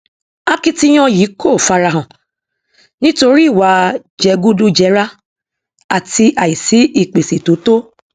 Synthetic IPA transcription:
a˧ki˧ti˧j̃ɔ̃˧ji˨˦ko˦˨fa˧ɾa˧ɦã˨ | nĩ˦to˧ɾi˦˨wa˨˦ | d͡ʒɛ˧˦ɡu˦du˦d͡ʒɛ˧˦ɾa˦ | a˦˨ti˧ʔa˨ji˨si˨˦i˦˨k͡pe˨si˨to˨˦to˦

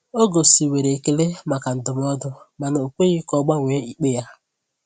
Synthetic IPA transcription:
o˦ɡo˨si˨we˨ɾe˨ke˨le˦ma˨ka˨n̩˨dʊ˨m˦ɔ˦dʊ˦ma˨na˨o˨kʷe˦ɣi˦kɔ˦ɡ͡ba˦ŋʷe˨˦i˨k͡pe˦ja˦

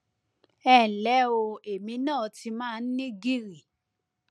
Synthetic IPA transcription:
ɛ˦˨lɛ˨˦o˧e˨mĩ˨˦nãː˦˨ti˧mãː˦˧n̩˦nĩ˦ɡi˦ɾi˦˨

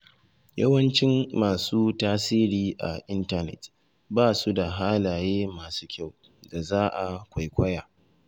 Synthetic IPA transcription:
jɐ̰˦wɐ˦nt͡ʃɪ˦mːaː˨suː˦taː˦siː˦ɾiː˨ʔa̰˨ʔɪ˦nta˦nɛ̰˨t | baː˦su˦da˨ɦaː˦laː˨jeː˦maː˨su̥ː˦kʲa˦˨w | da˨zaː˦ʔa˨kʷa˨jkʷɐ˦jaː˨

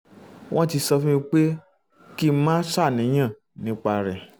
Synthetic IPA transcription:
wʔɔ̃˦ti˧sɔ˧fũ˦ĩ˧k͡pe˦ | ki˦˧˦mãː˦sa˦˨nĩ˨˦j̃ã˦˨ | nĩ˨˦k͡pa˧ɾɛ˨

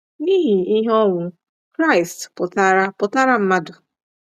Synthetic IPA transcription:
ni˦ɦi˨i˦ɦɔ˦ŋʷʊ˨˦ | kɾa˦ɪ˨stpʊ˨ta˦ɾa˦pʊ˨ta˦ɾa˦m̩˦ma˦dʊ˨

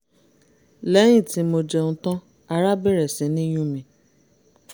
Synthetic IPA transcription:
lɛ˨˦j̃ĩ˦˨tĩ˨˦mo˧d͡ʒɛ˧nũ˧˦tɔ̃˦ | a˧ɾa˦bɛ˦˨ɾɛ˨sĩ˨˦nĩ˦j̃ũ˦mĩ˨˦

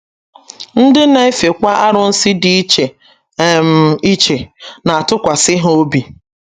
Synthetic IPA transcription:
n̩˦dɪ˦na˨e˦fe˨kʷa˦ʔa˦ɾʊ˨n̩˦sɪ˦dɪ˦i˦t͡ʃe˨˦˨ | m̩˨i˦t͡ʃe˨na˨a˨tʊ˦kʷa˨sɪ˦ɦo˦bi˨

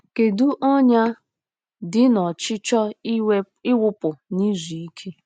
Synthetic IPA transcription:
ke˨du˦ʔɔ˦ɲa˦ | dɪ˦nɔ˨t͡ʃɪ˦t͡ʃɔ˦ | ɪ˦wʊ˦pʊ˨ni˦zi˨i˦kʰe˦

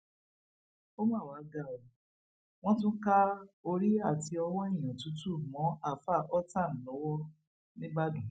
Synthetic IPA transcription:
o˦mã˦˨wa˨˦ɡa˦˨ɔ˨ | w̃ɔ̃˦tũ˦ka˦o˧ɾi˦a˦˨ti˧ɔ˧wɔ˦i˦˨j̃ɔ̃˨tu˨˦tu˦˨mɔ̃˨˦a˦˨fa˦˨ʔɔ˦ta˦˨n̩˨lɔ˨˦wɔ˦ | nĩ˦ba˦dũ˨˦

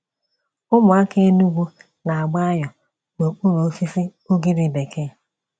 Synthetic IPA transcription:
ʊ˦mʊ˨a˦ke˦e˦nu˦ɡʷu˦ | na˨a˨ɡ͡ba˦a˦jɔ˨ | ɡ͡bo˨k͡pu˦ɾo˨˦fi˦si˦o˦ɡi˦ɾi˨be˨kʰe˦˨

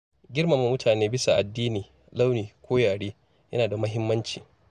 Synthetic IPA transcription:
ɡʲɪ˦rma˨mːu˨mʊ˦tʰaː˨neː˦bɪ˦sa˨ʔa˨dːiː˦niː˨ | la˦wniː˨kʷoː˦jaː˨ɽeː˦ | jɐ˦naː˨da˨mɐ˦ɦɪ˦mːɐ˦nt͡ʃḭː˨

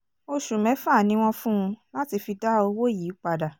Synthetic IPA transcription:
o˧ʃũ˨mɛ̃˨˦fa˦˨nĩ˧˦w̃ɔ̃˦fũ˦˧la˦ti˧fi˧da˦o˧wo˦jiː˨˦k͡pa˧da˨

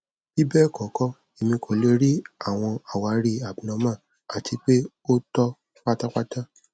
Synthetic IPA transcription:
i˦bɛ˦˨kɔ˨˦kɔ˦ | e˨mĩ˧kʰo˨˦le˧˦ɾi˦a˦˨w̃ɔ̃˧a˨wa˧ɾi˦a˨bĩ˨nã˨˧mã˦˨ | a˨ti˧k͡pe˦ | o˦tɔ˦ | k͡pa˦ta˦k͡pa˦ta˦

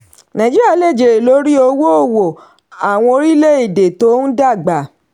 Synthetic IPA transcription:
nã˨d͡ʒi˦ɾa˦˨˦le˦˨d͡ʒe˨ɾe˨lo˨˦ɾi˦o˧wo˦o˦˨wo˨ | a˨w̃ɔ̃˧o˧ɾi˦le˦i˦˨de˨to˨˦n̩˦da˦˨ɡ͡ba˨

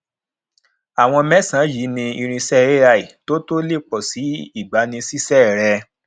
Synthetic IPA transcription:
a˨w̃ɔ̃˧mɛ˦sã˨˦ji˨˦nĩ˧i˧ɾ̃ĩ˧sɛ˦ɾe˦a˦˨i˨to˦to˦le˦˨k͡pɔ˨si˨˦i˦˨ɡ͡ba˨˦nĩ˧si˦sɛ˦ɾɛ˧

